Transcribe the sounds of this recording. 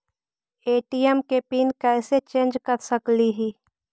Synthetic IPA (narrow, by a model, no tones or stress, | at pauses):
eːʈijɛmkepiːnkɛːset͡ʃẽːnd͡ʒkəɾsəkliɦiː